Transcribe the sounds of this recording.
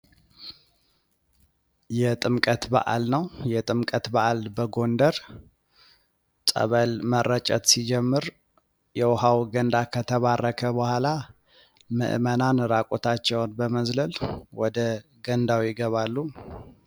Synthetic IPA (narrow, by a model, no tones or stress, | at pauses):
jɛt̪ʼɨmkʼət̪ba̰ʔa̰lnəwjɛt̪ʼɨmkʼət̪baʔalbəɡo̞nd̪əɾ | sʼə̰βəlmərːət͡ʃʼət̪sid͡ʒɛmːɨɾ | jɛwɔhawɡənd̪akʰət̪ʰəβarːəkʰəbəhʷala | mə̰ʔmənanɨɾakʼot̪ʰat͡ʃːɛwnbəməzləlwɔd̪ə | ɡənd̪awjɪɡəβalːu